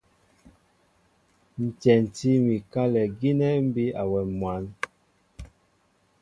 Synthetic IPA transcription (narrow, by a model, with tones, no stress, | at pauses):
n̩˨t͡ʃɛ˨n˨ti˦mi˨ka˦lɛ˨ɡi˦nɛ˦m˦bi˦a˨wɛ˨mwa˨˦n